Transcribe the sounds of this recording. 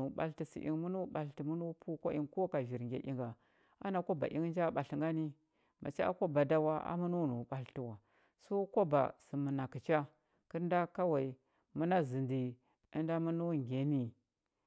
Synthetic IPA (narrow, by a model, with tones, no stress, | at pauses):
u˨ɓa̰˦lti˨sḭ˨ʔḭ˨ŋmu˦nu˦ɓa˨lti˨mu˦nu˦pʰu˦ko˦i˦ŋko˦ka˨ʒi˨ɾŋɡʲḛ˨ʔi˦ŋɡa˨ | a˦na˨ko˦ba̰˨ʔḭ˦ŋ˦nd͡ʒa˦ɓa˨ɬi˨ŋɡa˦ni˦ | ma˨t͡ʃi˦a̰˦ko˦ba˨da˦wa˦a̰˦mu˦nu˦˨nu˨ɓa˨lti˨wa˨ | so˦ko˦ba̰˨si˨mu˨na˨ki˨t͡ʃa˦ | ki˦ɾnda˦ka˦wa˨i˨ | mu˦na˦zɨ˨ndi˨ | ə˦nda˦mu˦nu˦ŋɡʲe˨ni˦˨